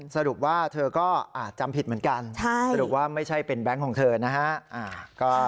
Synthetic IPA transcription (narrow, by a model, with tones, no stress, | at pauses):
sa˧ɾu˨˩p̚waː˥˩t̪ʰɤː˧kɔː˥˩ʔaː˨˧˩t͡ɕa˧mpʰi˨˩t̪̚mɯ˩˦ənka˧nt͡ɕʰa˥˩ja˧ɾu˨˩p̚waː˥˩ma˥˩jt͡ɕʰa˥˩jpe˧nbɛ˦˥ŋkʰɔː˩˦ŋt̪ʰɤː˧na˦˥kʰa˦˥ʔʔaː˨˩kɔː˥˩